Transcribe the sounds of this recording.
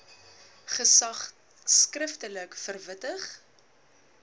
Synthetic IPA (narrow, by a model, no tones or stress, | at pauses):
χəsɐχ | skrəftələkfərvətəχ